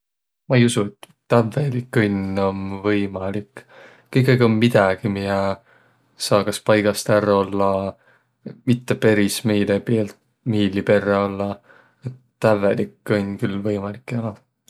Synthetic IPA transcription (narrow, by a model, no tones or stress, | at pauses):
mɑejusuet̪ːævelikːɯnʲo̞nvɤjmɑlik | kːɯjkˑːɑjɡiommid̪̥ɑɡ̥imijɑ | sɑːkɑspɑjɡ̥ɑst̪æro̞lːɑ | mit̪ːepe̞ɾisme̞jlepeːlt̪ | miːlːipe̞rːeo̞lːɑ | et̪ːævelikːonʲːkylvɤjmɑlikːˑɑlɑ